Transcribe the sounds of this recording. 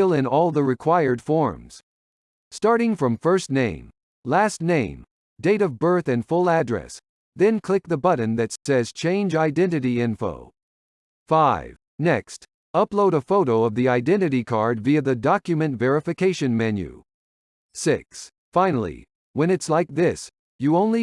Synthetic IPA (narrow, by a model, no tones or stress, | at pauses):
ɪlˠɪ̃nɔlˠðəɹɨkʰw̥aɪə˞d̥fɔɹmz̥ | stɑɹɾɪ̃ŋfɹʌ̃ɱfɜ˞stⁿnẽɪ̃m | læstⁿnẽɪ̃m | deɪɾʌvbɜ˞θɨ̃nfʊlˠædɹɛ̰s | ðɨ̃nkʰl̥ɪk̚ðɨbʌʔn̩ðɨtsɛz̥t͡ʃʰẽɪ̃nd͡ʒaɪdɛ̃nɨɾiɪ̃ɱfo̰ʊ | faɪv̥nɛkst | ʌploʊɾəfoʊɾoʊʌvðiaɪdɛ̃ñɨɾikʰɑɹdviɨðɨdɑkjɨmɨ̃ntvɛɹɨfɨkʰeɪʃɨ̃nmɛ̃njʉ̰ | sɪks | fãɪ̃nl̩ˠḭ | wɨ̃nɨtslaɪk̚ðɪs | jɨõʊ̃nli